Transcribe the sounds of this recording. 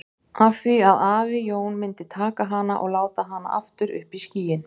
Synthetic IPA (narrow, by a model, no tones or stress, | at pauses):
avfθviaðaːvɪjoːwnmɪnt̪ɪt̪ʰaːkaɦanːa̰ʔɔɣlaːwt̪aɦanːa̰ʔa̰ft̪ʏɾʔʏ̰hpisciːjɪn